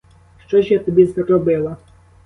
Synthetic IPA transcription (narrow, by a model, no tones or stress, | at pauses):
ʂt͡ʂɔʑjat̪ɔbʲjɛzrɾɔbɘwa